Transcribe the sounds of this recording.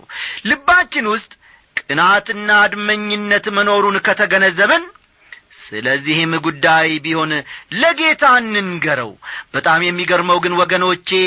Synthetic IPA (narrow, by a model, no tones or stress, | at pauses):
lɨbːat͡ʃːɪnwʊst̪ʼ | kʼɨnat̪ɨnːad̪məɲːɪnːət̪məno̞ɾunkʰət̪ʰəɡənəzːəβɨn | sɨ̰ləzːihɪmɡud̪ːajbiho̞nləɡe̞t̪ʰanːɨnɡəɾə̰wb̥ət̪ʼamjɛmːiɡəɾməwɡɨnwɔɡəno̞t͡ʃːe